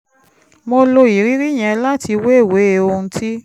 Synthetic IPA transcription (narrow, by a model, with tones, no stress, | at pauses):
mo˧lo˧i˨ɾi˦ɾi˦˨j̃ɛ̃˧la˦tʰi˧we˦e˦˨we˨˦e˨˦o˧ũ˧tʰi˦